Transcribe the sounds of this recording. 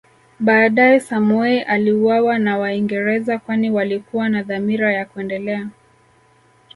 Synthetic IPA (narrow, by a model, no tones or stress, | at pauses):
ɓaːɗajɛsamuɛʔaliuwawanawaiŋɡɛɾɛzakwaniwalikuwanaðamiɾajakuɛndɛlɛa